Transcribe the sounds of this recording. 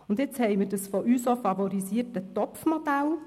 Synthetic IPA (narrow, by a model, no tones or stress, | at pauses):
ʊnd̪ɪt͡shɛɪmɪɾdəsfɔʔyːsofɑvɔɾisiəɾtətɔpfmɔd̥æl